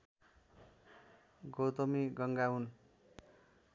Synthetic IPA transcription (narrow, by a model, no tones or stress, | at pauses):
ɡot̪omiɡʌŋɡaun